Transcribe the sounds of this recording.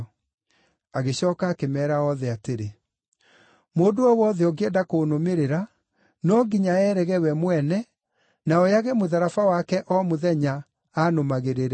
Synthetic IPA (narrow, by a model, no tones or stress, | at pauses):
aɣeɕɔːkaːkemɛːɾaɔðɛateɾe | moːdoɔwɔðɛɔɡɛdakonomeɾeɾa | nɔɡiɲaɛɾɛɣɛwɛmwɛnɛ | naɔjaɣemoðaɾafawakɛʔɔmoðɛɲa | aːnomaɣeɾeɾɛ